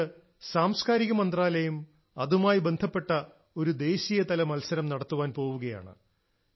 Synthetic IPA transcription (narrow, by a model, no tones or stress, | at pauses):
saːmskaːɾiɣɐmɐnd̪raːlɐjum | ɐðumaːjibe̞nd̪ʱɐpːe̞ʈːɐ | o̞ɾud̪e̞ːɕijɐt̪ɐlɐmɐlsɐɾɐmnɐɽɐt̪ːuʋaːnpo̞ːʋuɣɐja̰ːɳɨ̰